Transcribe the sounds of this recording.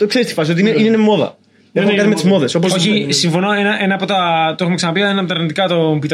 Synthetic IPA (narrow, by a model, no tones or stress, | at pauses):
t̪oekθest̪i̥fɐsio̞t̪iineinenemo̞ðɐ̰ | exuekat̪ime̞t̪izmo̞ðe̞so̞p̬osoçisiɱfo̞noenɐʔenɐːpo̞t̪ɐt̪oexumeksɐnɐpiɐenɐmt̪ɐɾnit̪ikɐt̪ombit̪